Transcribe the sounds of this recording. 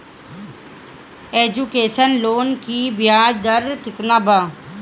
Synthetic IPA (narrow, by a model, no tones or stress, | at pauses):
eːd͡ʒukeːʃənloːnkiːbɪjaːd͡ʒd̪əɾkɪt̪naːbaː